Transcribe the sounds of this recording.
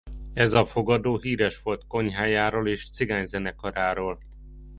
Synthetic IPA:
ɛzɒfo̞ɡɒd̪oːɦiːɾɛʃʋo̞lt̪ko̞ɲɦaːjaːɾoːleːʃt̪siɡaːɲzɛnɛkɒɾaːɾoːl

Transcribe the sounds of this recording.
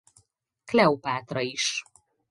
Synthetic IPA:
klʲɛwpaːt̪ɾɒiʃ

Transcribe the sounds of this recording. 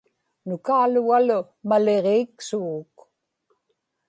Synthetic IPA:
nʊkaːluɣalʊ | male̞ʁeːksuɣːk

